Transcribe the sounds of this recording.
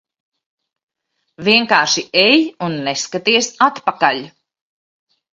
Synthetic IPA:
viɛŋkaːɾʃiʔejunːeskat̪iɛsat̪pakaʎʲ

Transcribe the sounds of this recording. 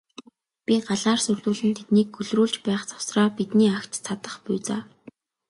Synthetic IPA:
pʲiɢaɮaːrsɵrɮuːɮɘ̆nt̪ʰet̪niːkxɵɮruːɮt͡ɕpæːχt͡sḁw̥sraːpit̪niːakt̪t͡sʰat̪ə̆χpʊjt͡saː

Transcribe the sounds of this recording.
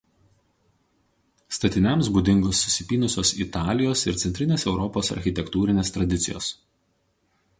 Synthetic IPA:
st̪ɐt̪ʲɪnʲɛmsbuːd̪ʲɪŋɡosːʊ̥sʲɪpʲiːnʊsʲoːsɪt̪ɑːlʲɪjoːsɪ̰ɾt̪sʲɛnʲt̪ʲɾʲɪnʲeːsɛʊɾɔpoːsɐ̰ɾʲxʲɪt̪ʲɛkt̪uːɾʲɪnʲeːst̪ɾɐd̪ʲɪt̪sʲɪjo̰ːs

